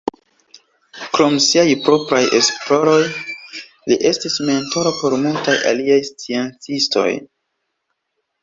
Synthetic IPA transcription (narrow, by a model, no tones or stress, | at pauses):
kɾo̞msiajpɾo̞pɾaje̞splo̞ɾo̞j | liʔe̞stisme̞nto̞ɾapo̞ɾmultajʔa̰liajst͡sient͡sisto̞̰j